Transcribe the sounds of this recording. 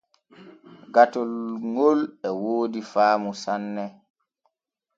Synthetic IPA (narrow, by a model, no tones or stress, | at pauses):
ɡatɔlŋolɛwoːdifaːmusanːɛ